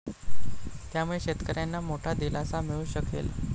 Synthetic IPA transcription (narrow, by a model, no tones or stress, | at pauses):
t̪jamuɭeɕet̪kəɾjanːamoʈʰad̪ilasamiɭuːɕəkḛla̰